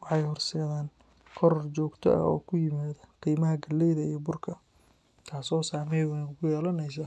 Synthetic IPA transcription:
wɑħɑjhɔrsɛːðaːn | kʰɔɾɔrt͡ʃɔːɡt̪ʰɔ̰ɐ̰ɔ̰ːkʰʊjɪmaːðɐqiːmɐɦɐɡɐlːɛjðɐijɔbʊrkʰɐ | t̪ʰaːsɔːsaːmɛjwnʊɣʊjɛːlɐnɛjs̬aː

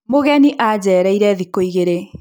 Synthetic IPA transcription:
moɣɛniʔad͡ʑɛːɾaiɾɛðikoiɣeɾe

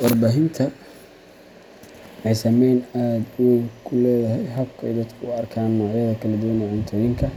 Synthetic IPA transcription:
wɔrbaːɦɪnt̪ʰɐ | ɛjsɐmɛjnaːd̪ʊwɛkʰʊlɛːðɐɦɛjɦɐbkʰɛ̰jd̪ɐd̪kʰʊʊɐrkʰaːnːɔːʕjɐðɐkʰɐlɐd̪ʊwɐnɛʕʊnt̪ʰɐjɪŋkʰɐ

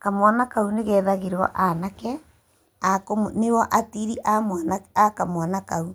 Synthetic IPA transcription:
kamwanakauneɣɛðaɣeɾɔ̰ʔanakɛ | akomnewɔʔatiɾiʔamanakamwanakau

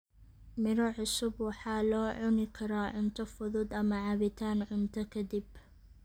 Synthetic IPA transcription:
mɪɾɔʕʊsʊbwɑħɑːlɔːʕʊnɪkʰɐɾaːʕʊnt̪ʰɐfʊðʊːd̪ɐmɐʕɑβɪt̪ʰaːnʕʊnt̪ʰɐkʰɐd̪ib

